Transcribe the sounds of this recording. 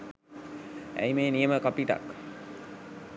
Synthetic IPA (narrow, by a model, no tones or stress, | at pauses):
æ̰jmeːnijəməkapiʈa̰k